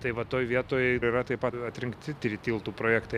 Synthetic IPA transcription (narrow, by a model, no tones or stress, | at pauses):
t̪ɐɪʋɐt̪oːjʋʲiɛt̪oːjɛɪiːɾɐt̪ɐɪpɐɐt̪ʲɾʲɪŋkt̪ʲɪt̪ʲɾʲit̪ʲiːlˠt̪uːpɾoːjæːkt̪ɐɪ